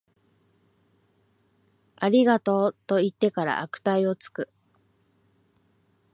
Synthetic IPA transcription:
aɾʲiɡat̪o̞ːt̪o̞it̪ːe̞kaɾa̰ʔakɯ̟̥t̪aio̞t͡sɨ̥kɯ̟

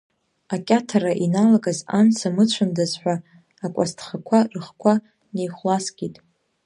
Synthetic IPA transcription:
akʲʼatʰaraʔinalaɡʼazant͡sʰamɨt͡ɕʷʰʊndazħʷᶣaː | kʷʼa̰stʰχakʷʰarɨχkʷʰa | nejχʷlasɡʲʼitʼ

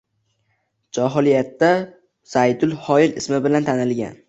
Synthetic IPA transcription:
d͡ʒɒɦɒlijat̪ːa | z̥ajd̪ʊlˠhɒɪlɪsmɪbɪlant̪ʰanɪlɡʲa̰n

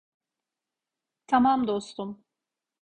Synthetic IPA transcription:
t̪ʰamamd̪ost̪um

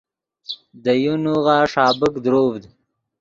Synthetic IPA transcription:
d̪əjunuɣaʂɑːbəkd̪ɾoːvd̪

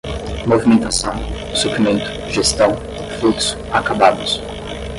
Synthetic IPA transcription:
movimẽnt̪asɐ̃w̃ | suplimẽnt̪ʊ̥ʒest̪ɐ̃w̃ | fluksʊ̥akabad̪ʊs

